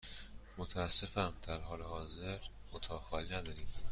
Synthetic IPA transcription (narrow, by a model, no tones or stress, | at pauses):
mot̪ʰæːsːe̞fæmd̪̥æɾɦɒːlehɒːze̞ɾ | mot̪ʰɒːxɒːlinæd̪ɒːɾiːm